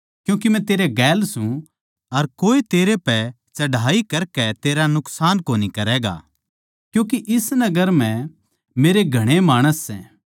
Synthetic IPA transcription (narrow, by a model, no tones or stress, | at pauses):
kjũːk̬imɛ̃t̪eːɾeɡɛːlsũ | ɐɾkoːit̪eːɾepɛ | t͡ʃɐɖʱaːikɐɾkɛt̪eːɾanʊksaːnkoːnikɐɾɛːɡa̰ː | kjũːk̬iʔɪsnɐɡəɾmɛ̃ | meːɾeɡʱɐɽ̃emaːɽ̃əsːɛ̰̃ː